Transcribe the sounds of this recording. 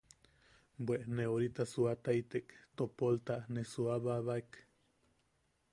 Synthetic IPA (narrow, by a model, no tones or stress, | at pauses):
bwʷeʔneoɾit̪asuat̪ait̪ekt̪opolt̪aʔnesuaβaβaik